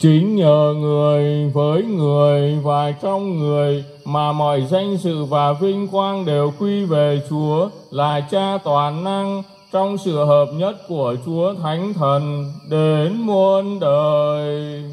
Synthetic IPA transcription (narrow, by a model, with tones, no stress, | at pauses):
t͡ɕi˨˦ŋ̟ɲəː˨˩ŋɨ˨˩əjvəː˨˦jŋɨ˨˩əjvaː˨˩t͡ɕɔ˧wŋ͡mŋɨ˨˩əj | maː˨˩mɔ̰˧˨jza˧jŋ̟sɨ̰˧˨vaː˨˩vï˧ŋ̟kwaː˧nɗe˨˩wkwi˧ve˨˩t͡ɕu˨˦ə | laː˨˩t͡ɕaː˧t̪waː˨˩na˧ŋ | t͡ɕɔ˧wŋ͡msɨ̰˧˨ɦəː˨˩p̚ɲə˦˥t̚ku˧˩ət͡ɕu˨˦ət̪ʰa˨˦jŋ̟t̪ʰə˨˩nɗe˨˦nmu˧ənɗəː˨˩j